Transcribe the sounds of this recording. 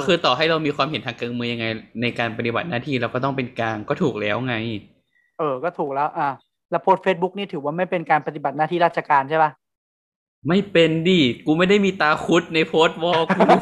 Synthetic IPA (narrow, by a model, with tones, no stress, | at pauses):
kʰɯː˧t̪ɔː˨˩ɦa˥˩jɾa˧wmiː˧kwaː˧mɦe˨˩˦nt̪ʰaː˧ŋkaː˧nmɯː˧ja˧ŋa˧jna˧jkaː˧npa˧t̪i˨ba˨˩t̪̚naː˥˩t̪ʰiː˥˩ɾa˧wkɔː˥˩t̪ɔ˥˩ŋpe˧nkaː˧ŋkɔː˥˩t̪ʰuː˨˩k̚lɛː˦˥wŋa˧j | ʔɤː˧kɔː˥˩t̪ʰuː˨˩k̚lɛː˦˥wʔaː˧˩ | lɛ˦˥wpʰoː˦˥t̪̚feː˦˥t̪̚bu˦˥k̚niː˥˩t̪ʰɯː˩˦waː˥˩ma˥˩jpe˧nkaː˧npa˧t̪̬i˨˩ba˨˩t̪̚naː˥˩iː˥˩ɾaː˥˩t̪̚ʰa˧kaː˧nt͡ɕʰa˥˩jba˦˥˩ | ma˥˩jpe˧ndiː˧˩kuː˧ma˥˩jda˥˩jmiː˧t̪aː˧kʰu˦˥t̪̚na˧jpʰoː˦˥t̪̚wɔː˧˩ku˧